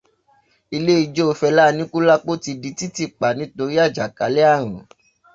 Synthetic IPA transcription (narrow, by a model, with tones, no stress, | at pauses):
i˧le˦i˧d͡ʒo˦o˧fɛ˧la˦˧nĩ˦ku˦la˦k͡po˦ti˧di˨˧˦ti˦ti˦˨k͡pa˨nĩ˨˦to˧ɾi˦a˦˨d͡ʒa˨ka˨˦le˦a˦˨ɾ̃ũ˨